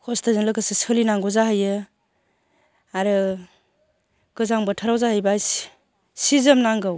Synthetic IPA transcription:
kʰɔstazɯnlɯkʰɯsesɯlinaŋɡɔzaɦɯjɯ | aɾɯ | kɯzaŋbɯtʰaɾawzahɯjbajs | sizɯmnaŋɡɯw

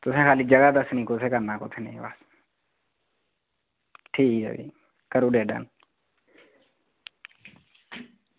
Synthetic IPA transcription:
t̪ʊsẽːkʰaːlid͡ʒəɡad̪əsnĩːkot̪ʰeːkənːaːko̰ːt̪ʰenḛba̰s | ʈʰiːkə̰ʋḭː | kəɾuɖeːɖa̰n

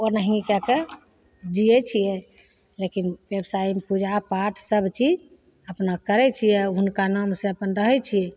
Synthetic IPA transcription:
onəɦikɛke | d͡ʒijɛt͡ʃʰijɛ | lekinwebsajimpud͡ʒʱapaʈʰsəbt͡ʃʰid͡ʒ | əpnakəɾɛt͡ʃʰijɛɦunkanamsẽəpənɾəɦɛt͡ʃʰiɛ

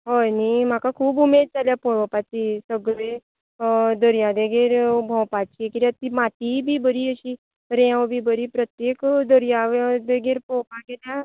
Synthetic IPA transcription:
ɦɔjnimakakʰuːbumeːd̪̚t͡ʃaljapoɽ̃õpat͡ʃisəɡɾe | d̪əɾijad̪eɡeɾbʱɔ̃pat͡ʃʰiekiɾat̪imaːt̪ibʱibəɾiəʃi | ɾɛ̃wbʱibəɾipɾət̪jekd̪əɾjad̪eɡeɾpoːpãɡela

